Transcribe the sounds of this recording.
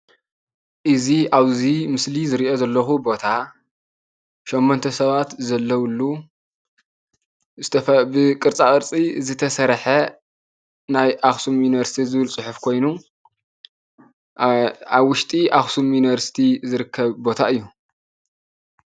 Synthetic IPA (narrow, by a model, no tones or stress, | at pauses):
ʔɨziaβzimɨslizɨɾiʔo̞zɐlːɐxubo̞t̪ʰa | ʃɛmːont̪ʰɐsɐβat̪zɐlːɐwlːu | zɨt̪ʰɐfbɨkʼɨɾt͡sʼakʼɨɾt͡sʼizɨt̪ʰɐsɐɾħɐ | najʔaxsumjuniβɐɾsi̥t̪ʰizɨβɨlsʼʊħʊfkʰo̞jnu | aβwʊʃt̪ʼiʔaxsumjuniβɐɾsi̥t̪ʰizɨɾɨkʰːɐβbo̞t̪ʰaɨjːu